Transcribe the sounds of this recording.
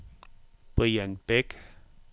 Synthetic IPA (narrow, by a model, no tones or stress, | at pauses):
pəjanpek